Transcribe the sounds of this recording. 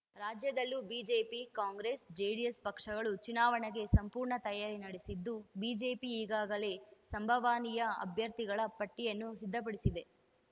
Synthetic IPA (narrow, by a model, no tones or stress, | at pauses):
ɾaːd͡ʒjɐd̪ɐlːubiːd͡ʒeːpikaːŋɡɾesd͡ʒejɽijespɐkʂɐɡɐɭut͡ʃinaːʋɐɳeɡe̞sɐmpuːɾɳɐt̪ɐjaːɾinɐɽesid̪ːubiːd͡ʒe̞ːpiːɡaːɡɐle̞sɐmbʱɐʋaːnijɐɐ̰bʱjɐɾt̪iɡɐɭɐpɐʈːijɐnːusid̪ʱːɐp̬ɐɽisid̪e̞